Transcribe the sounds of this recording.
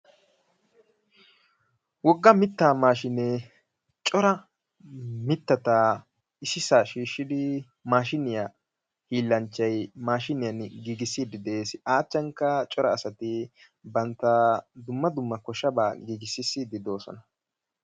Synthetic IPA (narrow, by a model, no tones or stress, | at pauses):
wɔɡːɐmɪt̪ːaːmaːʃɪnɛ | t͡ʃʼɔɾɐ | mɪt̪ːɐt̪a | ɪsɪsaʃiːʃːɪd̪ɪ | maːʃɪnɪja | hiːlːɐnt͡ʃːɐjmaːʃɪnɪjɐnɡiːɡɪsːɪd̪ɪd̪eːsɪaːt͡ʃːɐŋkɐt͡ʃʼɔɾɐːsɐt̪ɪ | bɐnt̪ːɐd̪ʊmːɐd̪ʊmːɐkɔʃɐbaːɡiːɡɪsɪsɪd̪ɪd̪o̞ːsɔ̰nɐ